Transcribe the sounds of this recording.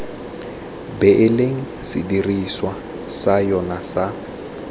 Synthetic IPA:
bɛʔleŋ̩ | sɪ̰diriswa | sajɔnasa

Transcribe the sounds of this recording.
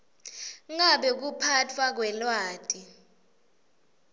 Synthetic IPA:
ŋaɓɛk̬upʰatʰwak̬wɛlwaːd̥ʼi

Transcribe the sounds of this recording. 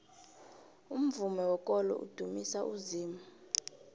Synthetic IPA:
um̩vumɛwɔkʼɔlɔ̰ʔṵd̥ʱumisaʔuziːma

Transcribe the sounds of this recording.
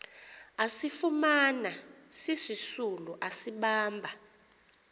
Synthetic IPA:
asifumanasisisuluʔasiɓaːmbʱa

